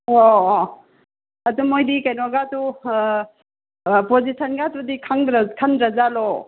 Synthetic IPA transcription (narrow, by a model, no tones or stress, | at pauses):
o | ɐtumojdikajnɔɡatu | pozisʰɐnɡatudikʰaŋdkʰandɾɐzalo